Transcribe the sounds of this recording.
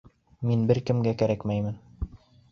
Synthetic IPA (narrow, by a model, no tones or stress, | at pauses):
minbɘɾkɘ̆mɡækæɾækmæjmɘn